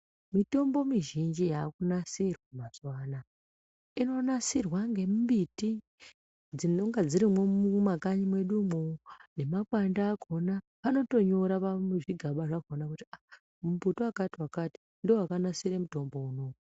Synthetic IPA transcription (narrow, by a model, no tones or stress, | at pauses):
mito̞mbo̞miʒind͡ʒijaːkunasirwamaswaːna | ino̞nasirwaŋɡe̞mmbiti | d͡zinoŋɡad͡ziɾimweumakaɲimwe̞ɗumone̞makwandaːɡʱo̞na | pano̞to̞ɲo̞ɾapameʐiɡʱaɓaʐakonakutia | muputoakatiwakati̥ | ndowakanasiɾemuto̞mbo̞uno̞u